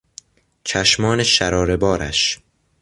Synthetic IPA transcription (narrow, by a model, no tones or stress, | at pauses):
t͡ʃʰæʃmɒːneʃæɾɒːɾe̞bɒːɾʔæ̰ʃ